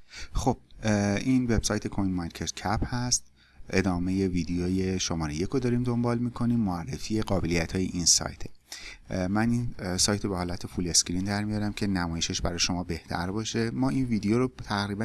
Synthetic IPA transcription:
xob̥̚ʔinve̞b̥sɒːjt̪ʰe̞kʰojnmɒjncʰet̪cʰæphæst̪ | ʔe̞d̪ɒːme̞je̞viːd̪ejɒːje̞ʃomɒːɾejekʰod̪ɒːɾiːmd̪o̞mbɒːlmiːkʰo̞niːmːoærːḛfieɡɒːbe̞lijæt̪ʰhɒːjeʔinsɒ̰ːjt̪ʰe̞ | mæninsɒːjt̪ʰobehɒːlæt̪ʰe̞fule̞skɾind̪æɾmijɒːɾæmcʰe̞næmɒːje̞ʃeʃbæɾɒːjʃo̞mɒːbe̞ht̪ʰæ̰ɾbɒːʃe̞mɒːinviːd̪ejoɾot̪ʰæɣɾiːbæ

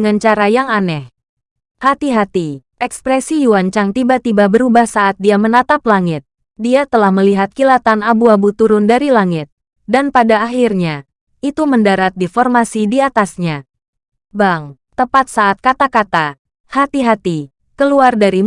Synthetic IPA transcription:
ŋant͡ʃaɾajaŋanɛh | hat̪iɦat̪iʔɛkspɾɛsijuaɲt͡ʃaŋt̪ibat̪ibabəɾubahsaʔːt̪̚diamənat̪aplaŋɪt̪̚ | diat̪əlahməliɦat̪̚kilat̪anabuabut̪uɾʊndaɾilaŋɪt̪̚ | danpadaːɦirɲa | it̪uməndaɾat̪̚difɔrmasidiat̪asɲa | baŋ | t̪əpat̪̚saːt̪̚kat̪akat̪a | hat̪iɦat̪i | kəluardaɾi

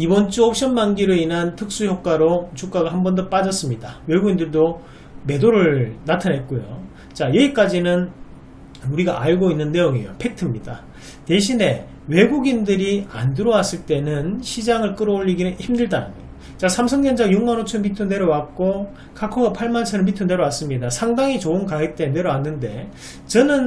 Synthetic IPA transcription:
ibʌnt͡ɕ͈uʌp̚ɕ͈ʌnbanɡiɾɯinɦantʰɯk̚s͈uçjok͈̚waɾot͡ɕuk͈aɡaɦambʌndop͈ad͡ʑʌs͈ɯmɲidawe̞ɡuɡindɯɭdo | me̞doɾɯɭnatʰanɦet̚k͈ojo̰ | t͡ɕajʌɡik͈ad͡ʑinɯn | uɾiɡaʔaɭɡoinːɯnːe̞joŋijo̰pʰe̞k̚tʰɯmɲida | te̞ɕ̬ʰine̞ | we̞ɡuɡindɯɾia̰ndɯɾʌwas͈ɯɭt͈e̞nɯnɕʰid͡ʑaŋɯɭk͈ɯɾʌoʎːiɡinɯnçimdɯɭdanɯnjo | t͡ɕasʰamsʰʌŋɲʌnd͡ʑajuŋmanot͡ɕʰɯnmitʰunde̞ɾowat̚k͈o | kʰakʰoɡapʰaɭmant͡ɕʰʌnɯnmitʰunde̞ɾowas͈ɯmɲidasʰaŋdaŋit͡ɕoɯnkaet͈e̞ne̞ɾowanːɯnde̞ | t͡ɕʌnɯn

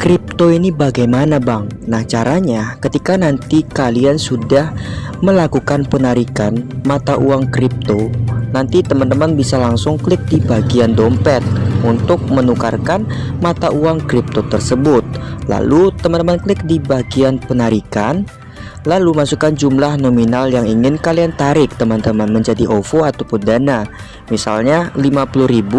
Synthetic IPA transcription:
kɾɪp̚t̪oinibaɡajmanabaŋnaht͡ʃaɾaɲakət̪ikanant̪ikaliansudahməlakukanpənaɾikanmat̪aʔuaŋkɾɪp̚t̪onant̪it̪əmant̪əmanbisalaŋsʊŋklɪk̚dibaɡiandɔmpɛt̪̚unt̪ʊk̚mənuka̰rkanmat̪aʔuaŋkɾɪp̚t̪ot̪ərsəbʊt̪̚la̰lut̪əmant̪əmanklɪk̚dibaɡianpənaɾikan | lalumasukand͡ʒumlahnominaljaŋiŋɪnkaliant̪aɾɪk̚t̪əmant̪əmanməɲd͡ʒadiʔofoat̪opudana | misalɲalimapuluhɾibu

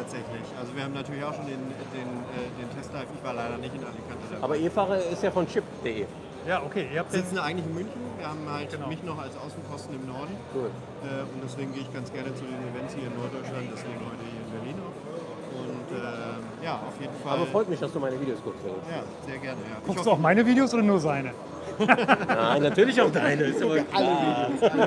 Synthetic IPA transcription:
tʰaːtz̥ɛçlɪçʔalzoviːɐhabm̩natʰyːɐlɪçaʊʃoːndeːnɛdeːnɛːdeːntʰɛstʰaːkɪçv̥aːɐlaɪɾɐnɪçtɪnʔaləkʰandadaaːbɐʔeːfaːʁɐɪstjaːfɔnt͡ʃɪpd̥eʔeː | jaːʔokʰeːʔɪɐhapzzɪt͡sn̩ʔaɪɡŋtlɪçɪnmʏnçn̩viːɐhaːbm̩haltʊmɪçnɔχalsʔaʊsn̩kʰɔstn̩ɪmnɔɐdn̩ɡ̥uː | ʔɛːʊntd̥ɛsv̥eːɡŋ̩ɡeːɪçɡ̥ant͡sɡ̥ɛɐnət͡sudeːnivɛnshiːɐɪnːɔɐt̚d̥ɔʏt͡ʃlant̚d̥asɡ̥eːnhɔʏtəhiːɐɪnbɛɐliːnaʊx | ʔʊntʔɛː | jaːʔa̰ʊfjeːdn̩faːbɐfʁ̥ɔʏtmɪçd̥asd̥uːmaɪnəviːdeoːskʊkstvɪ̰lsjaː | z̥eːɐɡɛɐnəjaːɡʰʊksd̥uːaʊxmaɪnəviːdeoːsʔoːɾɐnuːɐzaɪnə | naɪnatyːɐlɪçaʊxd̥aɪnəɪstabɐʔaləi

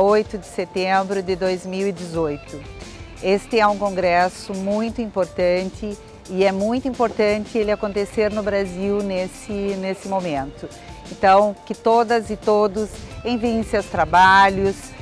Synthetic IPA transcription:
ojt̪ʊd̪ɪset̪ẽbɾʊd̪ɪd̪ojzmiwid̪ɪzojt̪ʊest̪ɪɛũkõŋɡɾɛsʊmũj̃t̪ʊĩmpoɾt̪ɐ̃nt͡ʃɪ | ɪɛmũj̃t̪ʊĩmpoɾt̪ɐ̃nt͡ʃ̪ɪelɪakõnt̪eseɾnʊbɾaziwnesɪnesɪmomẽnt̪ʊ | ẽnt̪ɐ̃w̃kɪt̪od̪ɐzɪt̪od̪ʊsẽj̃viẽsewst̪ɾabaʎʊs

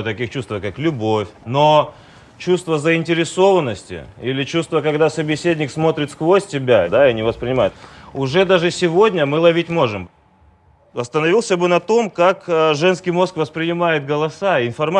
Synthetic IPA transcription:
t̪ɐkʲixt͡ɕust̪vəkaklʲʊbofʲno | t͡ɕust̪vəzəɪnʲtʲɪɾʲɪso̞vənːəsʲtʲɪ̰ilʲɪt͡ɕust̪vəkɐɡd̪asəbʲɪsʲedʲnʲɪksmo̞t̪ɾʲɪt̪skvosʲtʲɪbʲad̪aɪnʲɪvəspɾʲɪnʲɪmajʊt̪ʊʐɛd̪aʐɨsʲɪvodʲnʲəmɨlˠɐvʲitʲmo̞ʐɨm | ɐst̪ənɐvʲilˠsʲəbɨnɐt̪o̞mkakʐɛnskʲɪjmo̞skvəspɾʲɪnʲɪmajɪt̪̚ɡəlˠɐsaɪnfɐrma

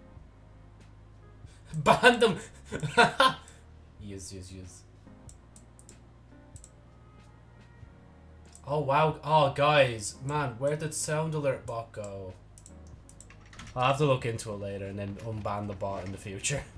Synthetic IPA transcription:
bãnðə̃m | jʉzjɨzjʉz̥ | ʔoʊwaʊoɡaɪz̥mãnwə˞dɪdsãʊ̃ndəlˠɜ˞ʔ̚b̥ɑk̚ɡ̥oʊ | aɪhaftəlʊkɪ̃ntʰuɪʔˡleɪɾə˞ə̃nðə̃nʌ̃nbãnðəbɔɾɪ̰̃nðəfjʉt͡ʃə˞

